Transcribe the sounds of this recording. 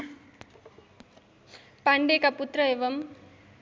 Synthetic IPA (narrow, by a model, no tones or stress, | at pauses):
pɐɳɖeːkɐput̪ɾɐeʋɐm